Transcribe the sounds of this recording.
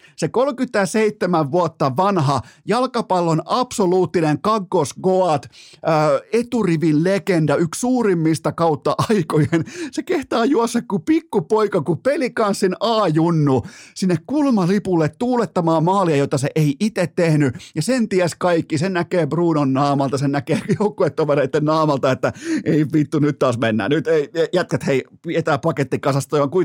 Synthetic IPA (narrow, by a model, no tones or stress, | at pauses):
sekolkyt̪ːˑæseit̪ːemæʋʋuot̪ːɑʋɑnɦɑjɑlkɑpɑlːonɑpsoluːt̪ːineŋkɑɡːosɡoɑt̪ː | et̪uriʋinlekendɑykssuːrimːist̪ɑkɑut̪ːɑʔɑikojensekeht̪ɑːjuɑsːekkupikːupoikɑkupelikɑnssinɑːjunːusinːekkulmɑlipulːet̪t̪uːlet̪ːɑmɑːmɑːliɑjot̪ɑseʔeiʔit̪et̪tehnyjɑsent̪iæskɑikːisennækeːbruːnonːɑːmɑlt̪ɑsennækeːjoukːuet̪ːoʋereit̪ːenːɑːmɑlt̪ɑet̪ːæeipit̪ːunyt̪t̪ːɑːsmenːæ̰ːnnyt̪eijæt̪̚kæt̪heipiet̪æːpɑket̪ːikɑsɑst̪oːjɑŋkui